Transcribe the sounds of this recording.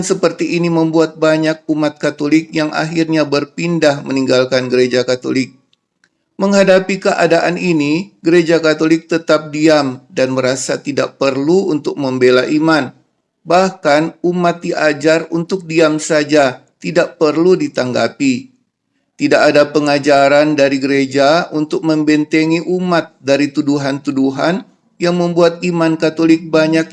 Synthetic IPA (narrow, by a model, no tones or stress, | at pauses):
nsəpərt̪iʔːniməmbuat̪̚baɲak̚umat̪̚kat̪olɪk̚jaŋʔa̰ɦirɲabərpindahməniŋɡalkanɡəɾed͡ʒakat̪o̰lɪk̚ | məŋɦadapikəʔa̰daʔaniniɡəɾed͡ʒakat̪olɪk̚t̪ət̪ap̚diamdanməɾasat̪idaʔ̚pərluunt̪ʊk̚məmbelaʔiman | bahkanumat̪̚diʔad͡ʒarunt̪ʊk̚diamsad͡ʒat̪idaʔpərludit̪aŋɡa̰pi | t̪idakadapəŋad͡ʒaɾandaɾiɡəɾed͡ʒaunt̪ʊk̚məmbɛnt̪eŋiʔumat̪̚daɾit̪uduɦant̪uduɦan | jaŋməmbuat̪̚imankat̪olɪk̚baɲak̚